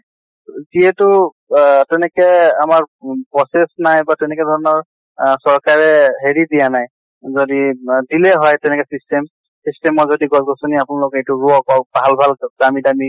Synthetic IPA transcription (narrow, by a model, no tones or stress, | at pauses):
ziɛtʊ | tɛnɛkɛamaɹpɹɔsesnajbatɛnɛkɛdʱɔɹɔnɔɹ | sɔɹkaɹɛɦeɹidijanaj | zodidilɛɦɔjtɛnɛkɛsistem | sistemɔzodiɡɔzɡɔsoniapʊnalʊkɛejtʊɹuɔkɔbʱalbʱaldamidami